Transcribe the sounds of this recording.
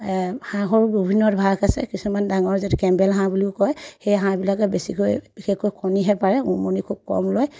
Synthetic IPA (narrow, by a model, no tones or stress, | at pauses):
hãɦɔɹbibʱinːɔtbʱakasɛ̰kisumandaŋɔɹzɛtɛkɛmbɛlɦãbuliʊkɔjxejɦãbilak̬ɛbesikojb̥ixekkojkʰɔniɦɛpaɹɛumonikʰub̚kɔ̰mloj